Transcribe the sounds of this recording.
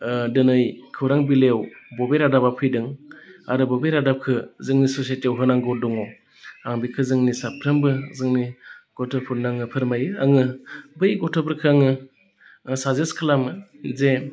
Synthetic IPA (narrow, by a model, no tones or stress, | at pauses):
dɯnɯjkʰɯwɾaŋbilewbɔbeɾadabapʰɯjdɯŋaɾɯbɔbeɾadap̚kʰɯzɯŋnisɔsajtiawɦɯnaŋɡɔdɔŋɔ | aŋbikʰɯzɯŋnisapʰɾɯmbɯzɯŋniɡ̥ɔtʰɯpʰuɾnaŋɯpʰɯɾmajɯaŋɯbɯjɡɔtʰɔpʰɯɾkʰɯaŋɯ | sazeskʰɯlamɯze